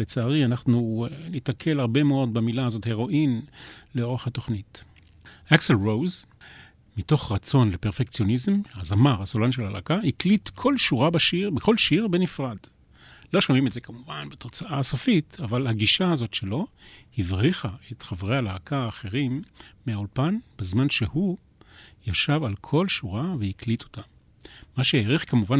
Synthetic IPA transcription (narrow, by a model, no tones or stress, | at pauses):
let͡saːʁianaχnunitakʰe̞laʁbe̞meo̞d̪̚bamilaazo̞the̞ʁo̞ʔinleo̞ʁeχhato̞χnit | ʔakselʁowz | mito̞χʁat͡so̞nlepeʁfekt͡sjo̞nizemhazamaʁasolanʃelhala̰kahiklitkʰo̞lʃuʁabaʃiʁbeko̞lʃiʁbenifʁad | lo̞ʃomimetzekamuvanbeto̞t͡saʔaso̞fitavalhaɡiʃaazo̞tʃe̞lo̞hivʁiχaetχavʁealaːkʰaːχe̞ʁimːeaulpanbezmanʃe̞hu | jaʃavalkʰo̞lʃuʁavehiklitʰo̞̥tamː | aʃejeʁiχkamuvan